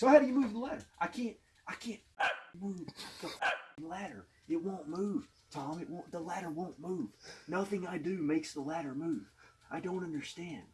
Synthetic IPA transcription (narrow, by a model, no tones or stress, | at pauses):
soʊhaʊɾɨjɨmuvðəlæɾə̰˞ʔaɪkʰæ̃nt̚ | ʔaɪkʰæ̃nt̚amuvðəlæɾə̰˞ | ɨt̚wõʊ̃nmuv̥ | tʰɑ̃mɨʔ̚wõʊ̃nðəlæɾə˞wõʊ̃nmuv̥nʌθɪ̃ŋaɪdɨmeɪksðəlæɾə˞muv̥aɪdõʊ̃nʌ̃ndə˞stæ̃nd̥